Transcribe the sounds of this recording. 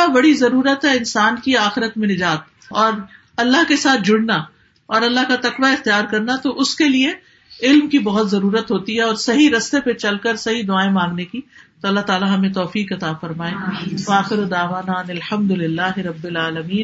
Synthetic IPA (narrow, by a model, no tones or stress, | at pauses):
abɐɽizɐɾuːɾət̪ɦɛɪnsaːnkiaːxɪɾət̪mẽnɪd͡ʒaːt̪̚ | ɔːɾ | ɐlːaɦkesaːt̪̚ʰd͡ʒʊɽna | ɔːɾɐlːaɦkat̪ɐqʋaɪxt̪ijaːɾkɐɾnat̪oʔʊskelie | ɪlmkibɐɦʊt̪zɐɾuːɾət̪ɦoːt̪iɦɛɔːɾsɐɦiɾɐst̪epet͡ʃɐlkəɾsɐɦid̪ʊaːẽmãːŋɡnekit̪oɐlːaɦt̪aːlaɦɐmẽt̪ɔːfiːkɐt̪aːfɐɾmaːẽʋɐaːxɪɾod̪aːʋaːnaɐnɪlħɐ̃md̪ʊlɪlːaːɦɪɾɐbːɪlaːlɐmiːn